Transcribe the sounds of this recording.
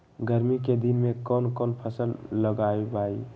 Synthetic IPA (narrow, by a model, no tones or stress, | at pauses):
ɡəɾmiked̪inmekɔnkɔnpʰəsəlləɡaebai